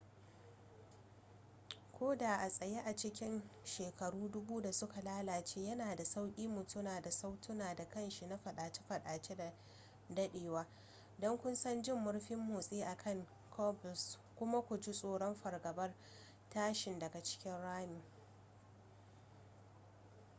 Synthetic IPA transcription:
kʷʰoː˦daː˨ʔa˨sʼɐ˨je˦ʔa˨t͡ʃɪ˦kʲɪ˦nʃeː˨kɐ˨ɽuː˦dʊ˦buː˦da˨sʊ˦ka˨laː˦laː˨t͡ʃeː˦jɐ˦naː˨da˨sa˦wkʲʼiː˦mːʊ˨tʊ˦naː˨da˨sa˦wtʰʊ˦naː˨da˨kɐ˦nʃi˨na˦ɸɐ˨ɗaː˨t͡ʃe˦ɸɐ˨ɗaː˨t͡ʃe˦da˨ | dɐ˦ɗeː˨waː˦ | dɔ˦ŋkʷʊ˦nsɐ˦nd͡ʒɪ˦mːʊ˦ɽɸɪ˦mːoː˨sʼeː˦ʔa˨kʰɐ˦˨ŋ | kʰɔ˦bʊ˨s | kʷʊ˦ma˦kʷʊ˨d͡ʒɪ˦sʼoː˨ɽɔ˦mɸɐ˨rɡɐ˨bɐ˦r | taː˦ʃɪ˨ndɐ˨ɡa˨t͡ʃɪ̥˦kʲɪ˦nɽaː˦miː˨

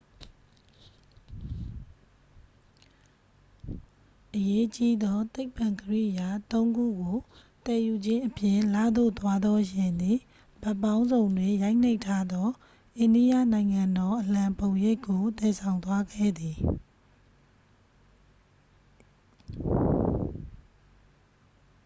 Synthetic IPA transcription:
ʔəje˦t͡ɕi˦d̪ɔ˦t̪e˦ɪpã˨ŋkəɹḭ˦˨ja˨t̪õ˦ʊ̃ŋɡṵ˦˨ɡo˨ | t̪ɛ˨ju˨d͡ʑɪ̃˦ʔəpjɪ̃˦˨la̰˦˨d̪o̰˦˨t̪wa˦d̪ɔ˦ʃɪ̃˨nd̪i˨ | b̥ɛ˦˨pã˦ʊ̃nzõ˨ʊ̃ndwɪ̃˨ja˦ɪn̥e˦ɪtʰːa˦d̪ɔ˦ | ʔẽ˨ndi˦ja̰˦˨nã˨ɪ̃ŋã˨ndɔ˦ʔəl̥ã˨mpõ˨ʊ̃je˦˨kːo˨t̪ɛ˨sʰã˨ʊ̃nt̪wa˦ɡɛ̰˦˨d̪i˨

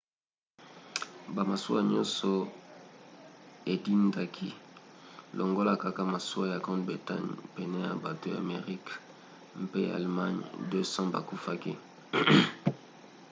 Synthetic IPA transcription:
ba˨ma˨su˦a˦ɲɔ̃˦sɔ˨ | e˨di˦nda˦kʰi˦ | lo˨ŋɡo˦la˦˨ka˦ka˦ma˨su˦a˦ja˨ɡʁɔ̃˦tbʁi˨ta̰˦ɲpɛ˨nɛ˦ja̰˨ba˨to˦ja̰˨me˨ʁi˦k | m˦pe˦a̰˨lma˦ɲdø˦sɑ̃˦ba̰˨ku˦fa˦ki˦

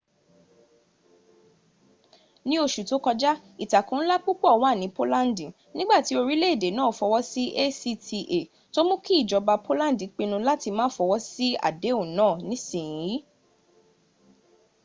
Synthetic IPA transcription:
nĩ˦o˧ʃu˨to˨˦kɔ˧d͡ʒa˦i˨ta˨kũ˨n̩˦la˦k͡pu˦k͡pɔ˦ɔ˧˨wa˦˨nĩ˨˦po˦la˦n˦di˨ | nĩ˦ɡ͡ba˦˨ti˨˦o˧ɾi˦le˦˨de˨˦nãː˦˨fɔ˧wɔ˦si˦ʔe˦si˦tʰi˧ʔe˨ | to˦mũ˦ki˦i˦˨d͡ʒɔ˧ba˧po˦la˦n˦di˨k͡pe˧nũ˧la˦ti˧mãː˦fɔ˧wɔ˦si˦a̰˦˨de˨˦o˦˨nãː˦˨nĩ˨˦sĩ˦˨ĩ˨˦

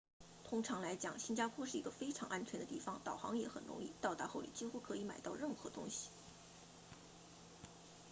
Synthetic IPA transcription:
t̪ʰʊ˥ŋʈ͡ʂʰɑ˧˥ŋla˧˥ɪt͡ɕjɑ̰˨˩˦ŋɕi˥nt͡ɕja˥pʰwɔ˥ʂɻ̩˥˩i˧˥ɡə˧fe˥ɪʈ͡ʂʰɑ˧˥ŋʔa˥nt͡ɕʰɥɛ˧˥nd̪ə˧t̪i˥˩fɑ˩ŋt̪ɑ˨˩ʊxɑ̰˧˥ŋjɛ˧˥xə̰˨˩nɻʊ̰˧˥ŋḭ˥˧t̪ɑ˥˧ʊt̪a̰˧˥xo˥˩ʊlḭ˨˩t͡ɕi˥xu˥kʰɤ˧˥i˧˥ma˨˩ɪt̪ɑ˥˧ʊɻə˥˩nxɤ˧˥t̪ʊ̰˥ŋɕi̥˨

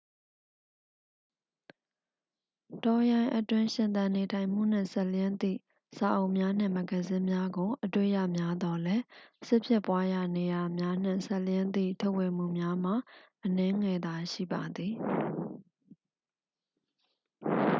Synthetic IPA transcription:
tɔ˨jã˨ɪ̃ʔə˨twɪ̃˦ʃɪ̃˨nt̪ã˨ne˨tʰã˨ɪ̃m̥ṵ˦˨n̥ɪ̰̃˦˨sɛ˦ʔljɪ̃˦nt̪ḭ˦˨ | sa˨ʔo˨ʊʔmja˦n̥ɪ̰̃˦˨mə˨ɡə˨zɪ̃˦mja˦ɡo˨ʔətwe˦˨ja˦˨mja˦d̪ɔ˨lɛ˦sɪ˦pʰjɪ˦˨pwa˦ja˨ne˨ja˨mja˦n̥ɪ̰̃˦˨sɛ˦ʔljɪ̃˦nd̪ḭ˦˨tʰo˦ʊʔwe˨m̥ṵ˦˨mja˦m̥a˨ʔənɛ̃˦ŋɛ˨d̪a˨ʃḭ˦˨ba˨d̪i˨

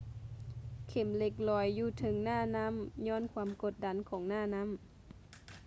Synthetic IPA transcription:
kʰe˨˩˦mle˧˩k̚lɔː˨˩jːuː˧t̪ʰɤ˨˦ŋnaː˥˩na˧˥˨mɲɔː˧˥˨nkʰwaː˧˥mko˨˩t̪̚da˧˦nkʰɔː˩˦ŋnaː˧˥˩na˧˥˨m

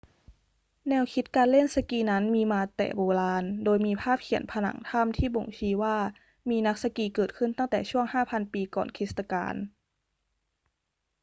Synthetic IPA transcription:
nɛː˧wkʰi˦˥t̪̚kaː˧nle˥˩nsa˧kiː˧na˦˥nmiː˧maː˧t̪ɛ̰ː˨˩boː˧laː˧ndoː˧jmiː˧pʰaː˥˩p̚kʰi˨˩˦npʰa˧na̰˧˩˦ŋt̪ʰa˥˩mt̪ʰiː˥˩bo˨˩ŋt͡ɕʰiː˧˥waː˥˩ | miː˧na˦˥k̚sa˧kiː˧kɤː˨˩t̪̚kʰɯ˥˩nt̪a˥˩ŋt̪ɛː˨˩t͡ɕʰu˥˩əŋhaː˥˩pʰa˧npiː˧kɔ̰ː˨˩nkʰi˦˥st̪a˧ka̰ː˧n

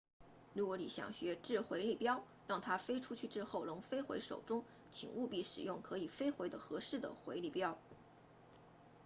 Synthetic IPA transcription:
ɻu˧˥kwɔ˧˥ni˨˩ɕjɑ̰˨˩ŋɕɥɛ˧˥ʈ͡ʂɻ̩˥˩xwe˧˥ɪli˥˩pjɑ˥ʊ | ɻɑ˥˩ŋt̪ʰa˥fe˥ɪʈ͡ʂʰu˥t͡ɕʰy˥˩ʈ͡ʂɻ̩˥˧xo˥˩ʊlʊ˧˥ŋfe˥ɪxwḛ˧˥ɪʂo̰˨˩ʊʈ͡ʂʊ˥ŋ | t͡ɕʰḭ˨˩ŋʔu˥˧pi˥˩ʂɻ̩˨˩jʊ˥˩ŋkʰɤ˧˥i˨˩fe˥ɪxwe˧˥ɪd̪ə˧xɤ˧˥ʂɻ̩˥˩d̪ə̰˩xwe˧˥ɪli˥˩pjɑ˥ʊ

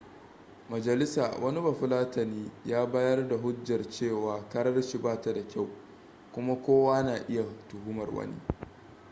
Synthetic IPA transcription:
mɐ˨d͡ʒɐ˨lɪ˦saː˨wʔɐ˦ni˦bɐ˨ɸʊ˦laː˦tɐ˨niː˦jaː˦baː˦jɐ˦rda˨ɦʊ˦d͡ʒːɐ˨rt͡ʃeː˦˨waː˨kɐ˦ɾɐ˦rʃi˨baː˦ta˨da˨kʲa˦˨w | kʷʊ˦ma˦kʷoː˦waː˦naː˨ʔɪ˦ja˨tʊ˨huː˦mɐ˨rwɐ̰˦nḭ˦

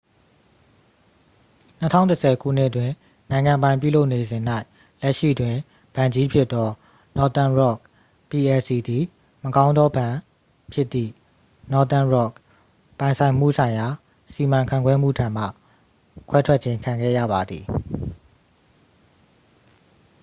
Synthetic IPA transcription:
n̥ə˦tʰã̰˦ʊ̃˨tə˨sʰɛ˨ɡṵ˦˨n̥ɪ˦ʔətwɪ̃˨ | nã˨ɪ̃ŋã˨mbã˨ɪ̃pju˦˨lo˦ʊʔne˨zɪ̃˨n̥a˦ɪ | lɛ˦ʔʃḭ˦˨twɪ̃˨ | b̥ã˨ɲd͡ʑi˦pʰjɪ˦t̪t̪ːɔ˦ | nɔ˨t̪ã˨nɹɔ˦˨k̚ | pi˨ɛ˨si˨d̪i˨ | məkã˦ʊ̃nd̪ɔ˦bã˨ | pʰjɪ˦t̪ːḭ˦˨ | nɔ˨t̪ã˦˨nɹɔ˦˨k̚ | pã˨ɪ̃nsʰã˨ɪ̃m̥ṵ˦˨sʰã˨ɪ̃ja˨ | si˨mã˨ŋkʰã̰˦˨kwɛ˦m̥ṵ˦˨tʰã˨m̥a̰˦˨ | kʰwɛ˦tʰwɛ˦t͡ɕʰɪ̃˦ŋkʰã˨ŋɡɛ̰˦˨jä̰˦˨ba˨d̪ði˨

